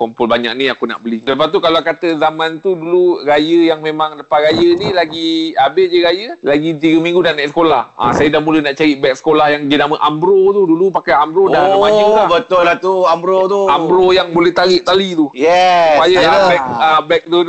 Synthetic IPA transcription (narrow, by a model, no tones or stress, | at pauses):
kɔmpɔlbaɲa̰k̚nĩakuna̰ʔbəliləpat̪ukaloakat̪əzamant̪uduluɾajəjaŋmemãŋləpaʔɾajənilaɡiabeʔd͡ʒəɾajəlaɡit̪̬iɡəmĩŋɡudanasə̥kolaha̰sajədahmulənaʔt͡ʃaɾiʔbɛk̚sə̥kolahjaŋd͡ʒənaməʔambɾot̪udulupakajambɾodaəmailabət̪ʊlat̪uambɾot̪uambɾojaŋbolɛht̪aɾiʔt̪alit̪ujɛpajaabɛk̚abɛk̚t̪u